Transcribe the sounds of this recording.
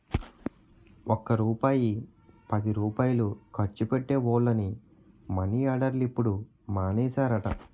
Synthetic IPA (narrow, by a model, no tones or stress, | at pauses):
ɔkːɐɾuːpaːji | pɐd̪iɾuːpaːjɐlukʰɐɾt͡ʃːupeʈːe̞ːʋɔːɭːɐni | mɐniaːɽɐɾlipːuɽu | maːnɛːsaːɾɐʈɐ̰